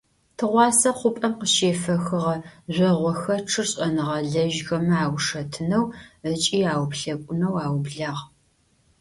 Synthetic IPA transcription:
tʰɨʁʷɑːsɐqʷʊpʼɐmqəʃeːfɐxɨʁɐʑʷɔʁʷɔxɐʈ͡ʂʰɨrɕʼɐnɨʁɐɮɐʒxɐmɐaːwʂɐtʰɨnɐwət͡ʃʼiːaːwpɬɐkʷʼʊnɐwaːwbɮaːʁ

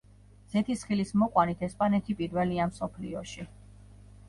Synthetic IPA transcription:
z̥ɛt̪ʰisχilismɔqʼwanit̪ʰɛspʼanɛt̪ʰipʼiɾvɛliamsɔpʰlḭɔʃi

